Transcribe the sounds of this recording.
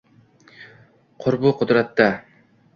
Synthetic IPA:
qʰʊɾbʊqʰʊd̪ɾat̪ːa

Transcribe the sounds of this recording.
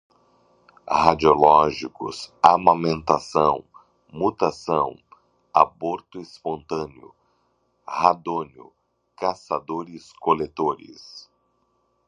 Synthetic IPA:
had͡ʒiolɔʒikʊ̰samamẽnt̪asɐ̃w̃ | mut̪asɐ̃w̃ | a̰boɾt̪ʊispõnt̪ɐ̃nɪʊ̰ | had̪õnjʊ̰ | kasad̪oɾɪskolet̪oɾɪ̰s

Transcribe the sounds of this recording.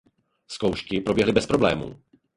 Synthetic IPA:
skowʃkɪpɾo̞bjɛɦlɪbɛspɾo̞blɛ̰ːmṵː

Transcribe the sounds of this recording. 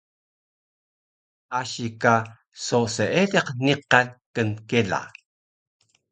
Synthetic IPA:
ʔaɕika | soseedeqniqankənkela̰

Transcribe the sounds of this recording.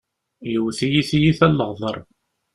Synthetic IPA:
jəwθijiθijiθælːəʁðˤəɾˤ

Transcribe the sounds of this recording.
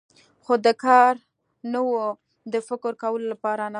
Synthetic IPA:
xod̪əkɑɾ | nəwo | d̪əfɪkɾkawəlolapɑɾana

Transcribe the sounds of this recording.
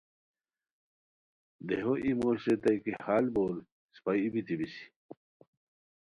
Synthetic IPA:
d̪eɦoʔimoɕɾet̪ajkihaːlbol | spajibit̪ibisi̥

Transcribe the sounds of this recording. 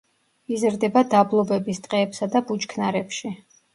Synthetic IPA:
izɾd̪ɛbad̪ablˠɔbɛbist̪ʼqʼɛːpsad̪abut͡ʃkʰnaɾɛpʃi

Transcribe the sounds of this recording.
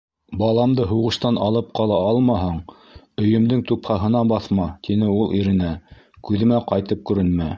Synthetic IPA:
bɑlˠɑmd̪ɤɦuʁɤ̆ʃt̪ɑnɑlˠɤp̚qɑlˠɑɑlˠmɑɦɑɴ | ɵ̆jɵ̆md̪ɘŋt̪uphɑɦɤ̆nɑbɑθmɑt̪inɘulˠʔiɾɘ̆næ | kʉðɘ̆mæqɑjt̪ɤp̚kʉɾɘnmæ

